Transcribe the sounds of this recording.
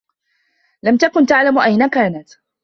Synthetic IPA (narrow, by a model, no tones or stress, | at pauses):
lamt̪akʊnt̪aʕlamʔajnakaːnat̪